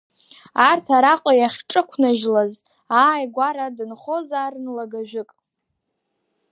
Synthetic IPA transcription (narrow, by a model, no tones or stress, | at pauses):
artʰaɾaqʼajaχʲʈ͡ʂʼɨkʷʰnaʒlaz | aːjɡʷaɾadɨnχo̞zaːrnlaɡaʒᶣʊkʼ